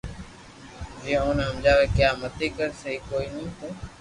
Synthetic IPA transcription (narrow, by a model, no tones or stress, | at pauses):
d͡ʒiẽoːnɦəmd͡ʒaːʋeːkjaːmət̪ʰiːkəɾsəɦiːkoːiːnĩːt̪eː